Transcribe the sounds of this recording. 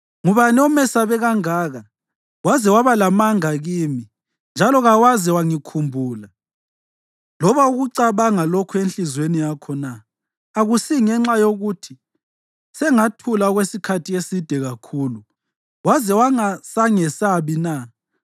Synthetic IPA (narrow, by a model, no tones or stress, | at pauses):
ŋuβanɛɔmɛsaβɛɣaŋaːɣa | wazɛwaβalamaŋaɣiːmi | nd͡ʒʱalɔɣawazɛwaŋikʰumbʱuːla | lɔβauɣuǀaβaŋalokʰɔenɬizwenijakʰɔnaː | ɣusiŋɛŋ͡ǁajoɣutʰi | sɛŋatʰulaɣwesikʰatʰijesid̥ʱɛɣakʰuːlu | wazɛwaŋasaŋɛsaβina